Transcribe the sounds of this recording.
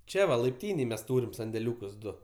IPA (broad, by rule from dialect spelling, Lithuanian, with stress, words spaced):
ˈt͡ʃʲɛ ʋɐ lˠɐɪpʲˈtʲiːnʲeːj mʲɛs ˈtuːrʲɪm sɐnʲdʲɛˈlʲuːkʊs ˈdʊ